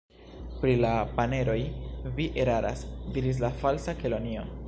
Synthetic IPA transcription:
pɾilapane̞ɾo̞jviʔeɾaɾʔa̰sdiɾis̬lafalsakelo̞nio̞

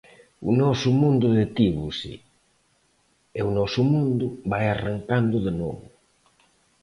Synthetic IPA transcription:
ṵnɔsʊmũnd̪ʊðet̪iβusḭ | eunɔsʊmũnd̪ʊβajaraŋkand̪ʊðenɔ̰βʊ

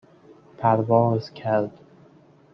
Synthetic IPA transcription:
pʰæɾvɒːzcʰæɾd̪̥

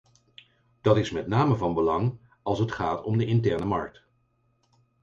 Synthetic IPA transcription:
d̥ɑtɪsmɛtnaːməvɑnbəlɑŋ | ɑlˠsətχaːtɔmdəʔɪntɛɹnəmɑ̰ɹk̚t

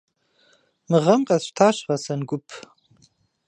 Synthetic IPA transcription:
mɨʁɐmqʼɐzʃtʰaʃʁɐsɐnɡʷʊpʼʰ

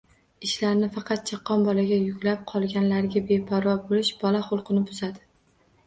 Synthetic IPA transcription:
ɪʃlaɾnɪfɑqʰɑt̪̚t͡ʃʰɑqʰːɒnbɒlaɡʲajʊkʲlap̚qʰɒlˠɡʲanlaɾɡʲabe̞pʰaɾɒbolɪʃbɒlaχʊlˠqɨnɪbʊzad̪ɪ

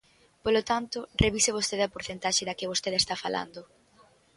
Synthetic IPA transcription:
polot̪ant̪ʊreβisɪβ̞ost̪eðɐpoɾθent̪aʃɪðɐkɪβost̪eðest̪afala̰nd̪ʊ

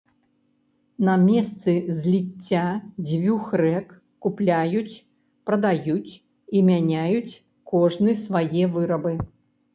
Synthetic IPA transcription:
nɐmʲɛst̪sɨzʲlʲit͡sʲːad͡zʲvʲuxɾɛkː | uplʲajut͡sʲ | pɾɐd̪ajut͡sʲ | imʲanʲajut͡sʲ | kɔʐnɨsvajɛvɨɾɐbɨ

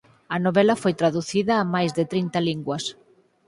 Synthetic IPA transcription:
ɐnoβɛlɐfojt̪ɾaðuθiðɐːmajzðɪt̪ɾint̪ɐliŋɡwɐs

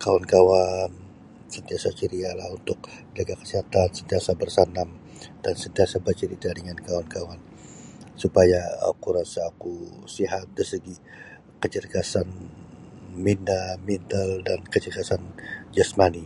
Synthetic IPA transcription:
kawankawan | sənt̪iasat͡ʃəɾialahunt̪ʊk̚d͡ʒaɡakə̥səɦat̪ansənt̪iasabərsanam | d̥ansənt̪iasabərt͡ʃəɾit̪adəŋankawankawan | supajaa̰kuɾasaːkusiɦat̪̚dəsəɡi | kət͡ʃərɡasan | mindamint̪əldankət͡ʃərɡasand͡ʒasmani

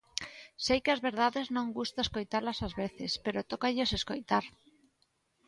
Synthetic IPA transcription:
sejkeazβeɾð̞aðeznõŋɡust̪aeskojt̪aɾlasazβeθespeɾot̪okaʎoseskojt̪aɾ

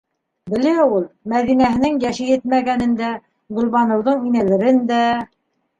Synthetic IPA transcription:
bɘ̆læulˠmæðinæɦɘ̆nɘŋjæʃɘjɘt̪̚mæɡænɘ̆nd̪æ | ɢɵ̆lˠβɑnɤ̆wðɤɴinæðɘ̆ɾɘnd̪æ

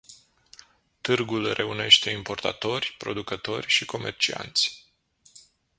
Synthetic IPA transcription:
t̪ɨrɡulre̞une̞ʃt̪e̞impo̞rt̪a̰t̪o̞rʲpɾo̞̰d̪ukət̪o̞rʲʃiko̞me̞rt͡ʃia̰nt̪sʲ

